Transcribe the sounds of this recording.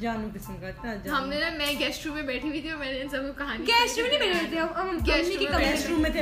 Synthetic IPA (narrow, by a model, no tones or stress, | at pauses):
d͡ʒaːnũkɪsmkaaɦɐmneɾɐmɛ̃ːɡɛːsʈɾuːmːẽbɛːʈʰiwit̪ʰiɔːɾmɛːneɪnsɐb̚kokɐɦaniɡɛːsʈɾũːmnĩbeʈːt̪ɐɐɡɛːsniukikɐɡmɛːesɾuːmːẽt̪ʰe